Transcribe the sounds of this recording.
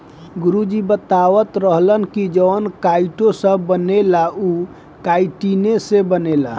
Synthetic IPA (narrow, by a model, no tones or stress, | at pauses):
ɡuɾud͡ʒibət̪aʋət̪ɾəɦlənkid͡ʒəwnkaiʈosəbːənelau | kaiʈinesebənela̰